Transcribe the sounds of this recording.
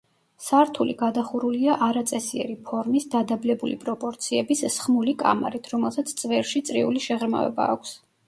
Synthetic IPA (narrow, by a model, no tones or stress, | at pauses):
saɾt̪ʰulḭɡad̪aχuɾuliaʔaɾat̪sʼɛsiɛ̰ɾipʰɔɾmisd̪ad̪ablɛbulḭpʼɾɔpʼɔɾt̪sʰiɛbissχmulikʼa̰ma̰ɾit̪ʰɾɔmɛlˠsat̪sʰt̪sʼvɛɾʃit̪sʼɾiuliʃɛʁɾma̰vɛ̰ba̰ːkʷʰs